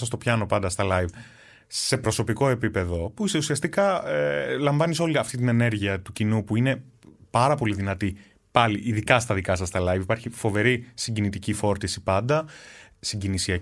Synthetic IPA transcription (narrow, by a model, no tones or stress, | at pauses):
sɐst̪o̞pçɐno̞pɐnd̪ɐst̪ɐlɐjv | se̞pɾo̞so̞piko̞e̞pipe̞ðo̞puiseusiɐst̪ikɐ | lɐɱvɐniso̞liɐft̪it̪̬ine̞ne̞ɾʝiɐt̪ucinupuine̞pɐɾɐpo̞liðinɐt̪i | pɐliʔiðikɐst̪ɐðikɐsɐst̪ɐlɐjvipɐɾçifo̞ve̞ɾisiɟinit̪icifo̞ɾt̪isipɐnd̪ɐsiɲɟinisiɐ